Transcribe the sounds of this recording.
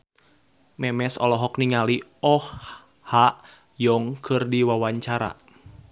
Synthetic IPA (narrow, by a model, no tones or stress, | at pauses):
mɛmɛsɔlɔɦɔkniŋaliɔh | haʔ | jɔŋkʰɨrdiwawaɲt͡ʃaɾa̰